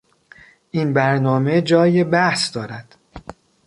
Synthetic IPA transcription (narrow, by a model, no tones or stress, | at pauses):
ʔinbæɾnɒːme̞d͡ʒɒːjebæhsd̪ɒːɾæd̪̥